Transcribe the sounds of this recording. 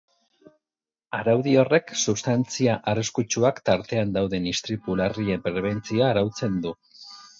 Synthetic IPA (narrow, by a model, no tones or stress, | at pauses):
aɾawðio̞re̞ksuβst̪ant͡siaʔariskut͡ʃuakt̪aɾt̪e̞and̪awðe̞nist̪ɾipulariempɾe̞β̞e̞nt͡siaːɾawt͡se̞nd̪u